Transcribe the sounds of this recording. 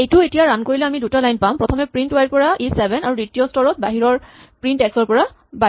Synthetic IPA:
ejtuetijaɹankoɹilɛamidutalajnpãʊ̃pɹɔtʰɔmɛpɹintwajɹpɔɹaʔesɛbʱɛnaɹuditijɔstɔɹɔt̚baɦiɹɔɹpɹintɛksɔɹpɔɹa | ba

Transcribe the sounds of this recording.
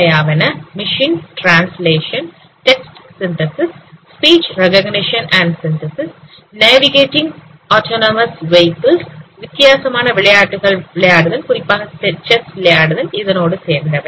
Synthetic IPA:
ɐjaːʋɐnɐmiʂiːnʈraːnsleːʂɐn | ʈeksʈsint̪ɐsisspiːt͡ɕrekɐɡniʂɐnʔɐɳɖsint̪ɐsis | neːʋiɣeːtːiŋɡ | oːtʰoːnɐmɐsʋejkɐlsʋit̪jaːsɐmaːɳɐʋiɭɐjaːʈːuɣɐɭʋiɭɐjaːɽuðɐlkuripːaːɦɐt͡ɕesʋilɐjaːɽuðɐliðɐno̞ːɽɨt͡ɕeːɾnd̪ɐʋe

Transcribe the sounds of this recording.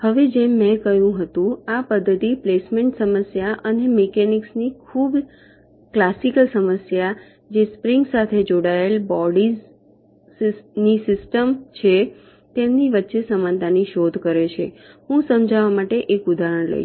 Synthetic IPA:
həʋed͡ʒemːɛ̃kəjũɦət̪ũapəd̪ʱːət̪iplesmeɳʈsəməsjaʔənemekeniksnikʰub | klasikəlsəməsja | d͡ʒespɾiŋɡsat̪ʰed͡ʒoɽaelbɔɽiz | nisɪsʈəmt͡ʃʰe | t̪emniʋətːʃesəmãnt̪aniʃod̪ʱkəɾet͡ʃʰḛɦũsəmd͡ʒaʋamaʈeʔekud̪ʱaɾəɽ̃lə̰

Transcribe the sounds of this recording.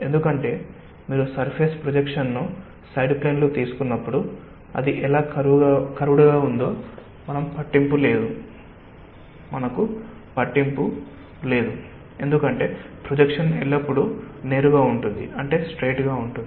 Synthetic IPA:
e̞nd̪ukɐɳʈe̞ː | miːɾusɐɾpʰeːspɾod͡ʒekʂɐnːu | sɐjɖpleːnloːt̪iːsu̥kunːɐpːuɽu | ɐ̰d̪iʔɛlaːkɐɾuʋuɡaːkɐɾuɽuɡaːund̪o̞ː | mɐnɐmpɐʈːimpule̞ːd̪u | mɐnɐku | pɐʈːimpu | le̞ːd̪u | e̞nd̪ukɐɳʈe̞ːpɾod͡ʒekʂɐnɛɭːɐpːuɽune̞ːɾuɡaːuɳʈund̪ḭɐɳʈe̞ːsʈɾe̞ːʈɡaːuɳʈund̪i

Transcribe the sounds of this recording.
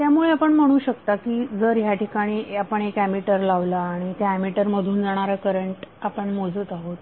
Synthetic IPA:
t̪jamuɭeapəɳm̤əɽ̃uːɕəkt̪akiːd͡zəɾɦjaʈikaɽ̃iːapəɳekæmiʈəɾlaʋlaːɽ̃it̪jaæmiʈəɾməd̪ʱuːnd͡zaɽ̃aɾakəɾəɳʈapəɳmod͡zəːt̪aɦot̪

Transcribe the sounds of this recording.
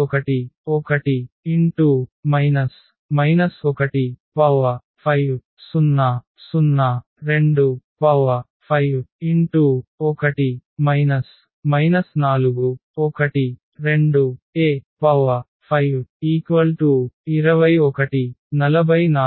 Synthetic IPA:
ɔkɐʈiɔkɐʈiiɳʈumɐjnɐs | mɐjnɐsɔkɐʈipɐʋɐ | pʰɐjw | sunːɐ | sunːɐ | ɾe̞ɳɖupɐʋɐ | pʰɐjwiɳʈuɔkɐʈimɐjnɐs | mɐjnɐsnaːluɡuɔkɐʈi | ɾeɳɖueːpɐʋɐ | pʰɐjwiːkʋɐlʈuːiɾɐʋɐjɔkɐʈinɐlɐbʱɐjna

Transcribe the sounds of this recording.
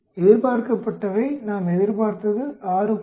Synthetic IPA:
eðɪɾpaːɾkɐpːɐʈːɐʋɐɪnaːmɛðɪɾpaːɾt̪ɐðɯʔaːɾɯ

